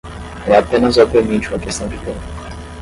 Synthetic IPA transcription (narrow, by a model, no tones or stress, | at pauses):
ɛapẽnɐzɔpeɾmit͡ʃũɐkest̪ɐ̃w̃d͡ʒit̪eu